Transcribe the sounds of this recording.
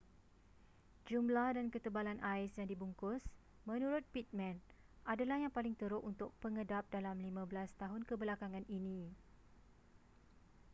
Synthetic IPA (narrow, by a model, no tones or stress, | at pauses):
d͡ʒumlahdankət̪əbalanʔaɪsjaŋdibuŋkʊs | mə̃nũɾʊt̪̚pit̪̚mɛ̃n | ʔadalahjaŋpalɪŋt̪əɾʊʔunt̪ʊk̚pəŋədap̚dalamlimãbəlast̪aɦʊnkəbəlakaŋãninĩ